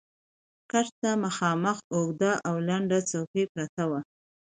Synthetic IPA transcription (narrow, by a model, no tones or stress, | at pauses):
kaɾt̪amaxɑməxoɡd̪aʔawlaɳɖat͡sawkepɾat̪awa